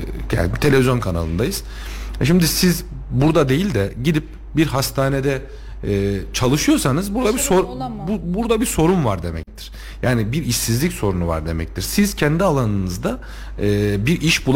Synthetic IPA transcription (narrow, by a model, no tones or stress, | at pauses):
a̰t̪ʰe̞lʲe̞vʲizjo̞nkʰana̰lˠɯnd̪ajɯz̥ | ʃimd̪isiz | buɾd̪ad̪e̞jilʲd̪ɛɟid̪ip̚ | biɾɦast̪ʰaːne̞d̪ɛː | t͡ʃʰalˠɯʃɯjo̞sanɯzbuɾd̪aisobbuɾd̪abiɾso̞ɾumvaɾd̪e̞mɛ̰c̚t̪ʰi̥ɾ̥ | jaːnibiɾiʃsizlʲicso̞ɾunuva̰ɾd̪e̞̰mɛ̰c̚t̪ʰiɾ̥siz̥cʰɛnd̪ialˠanɯnɯzd̪a | ɯːbiɾiʃbulˠ